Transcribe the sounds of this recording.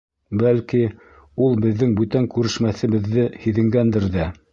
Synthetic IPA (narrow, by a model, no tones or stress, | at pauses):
bælki | ulˠbɘ̆ðːɘŋbʉt̪æŋkʉɾɘ̆ʃmæθɘ̆βɘ̆ðːɘhiðɘ̆ŋɡænd̪ɘɾðæ